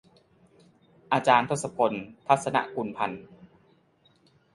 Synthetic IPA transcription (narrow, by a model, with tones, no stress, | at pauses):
ʔaː˧t͡ɕaː˧nt̪ʰo˦˥t̪̚sa˧pʰo˧nt̪ʰa˦˥t̪̚sa˧na̰˧ʔku˧npʰa˧n